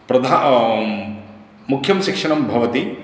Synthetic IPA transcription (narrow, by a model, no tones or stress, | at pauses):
pɾɐd̪ʱa | mukʰjɐmʃikʂɐɳɐmbʱɐʋɐt̪i